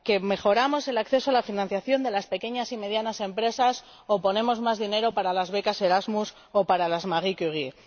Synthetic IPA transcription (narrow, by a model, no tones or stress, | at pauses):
ke̞me̞xo̞ɾamo̞se̞lakθe̞so̞alafinãn̟θjaθjo̞nd̪e̞laspe̞ke̞ɲasime̞ð̞janase̞mpɾe̞sas | o̞po̞nẽ̞mo̞zmazðine̞ɾo̞paɾalazβe̞kase̞ɾazmus | opaɾalazmaɣikyɣi